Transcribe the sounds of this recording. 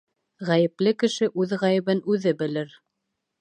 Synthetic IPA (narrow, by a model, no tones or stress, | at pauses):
ʁæjɘ̆plɘkɘ̆ʃɘʔʉðʁæjɘ̆βɘnʉðɘbɘ̆lɘɾ